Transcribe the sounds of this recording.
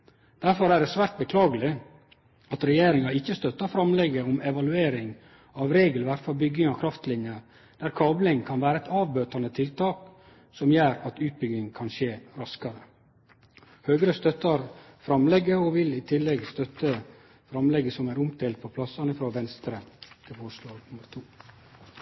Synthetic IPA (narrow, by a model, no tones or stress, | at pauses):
d̪̥æɾfɔɾæːɖɛsʋæːɾt̪̚bəkʰlɑːɡəlɪ | ɑt̪ɾɛjeːɾɪŋɑɪçːəst̪œt̪ːɑɾfɾɑmlɛɡəɔmɛʋɑlʉeːɾɪŋ | ɑʋɾeːɡəlʋæɾfɑɾbʏɡɪŋɑkʰɾɑft̪lɪnjə | d̪̥æɾkʰɑːblɪŋkʰɑnʋæːɾəɛt̪ɑːʋbøːt̪ɑnət̪ʰɪlt̪ɑːk | sɔmjæːɾɑt̪ʉːt̪̚bʏɡɪŋkʰɑnʃeːɾɑskɑɾə | høːɡɾəst̪œt̪ːɑɾ | fɾɑmlɛɡːəɔʋɪlɪt̪ʰɪlːɛɡst̪œt̪ːə | fɾɑmlɛɡəsɔmæːɾʊmt̪ʰeːlt̪̚pʰɔpʰlɑsːɑnɪfɾɑːʋɛnst̪ɾəd̪̥ɛfoːʂloːnʊməɾt̪ʰuː